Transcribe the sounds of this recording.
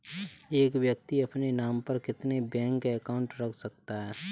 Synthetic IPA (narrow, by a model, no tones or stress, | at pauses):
eːkʋjək̚t̪iɐpnenaːmpɐɾkɪt̪nebɛ̃ːŋkəkaːʊ̃ɳʈɾɐkʰsɐk̚t̪aɦɛː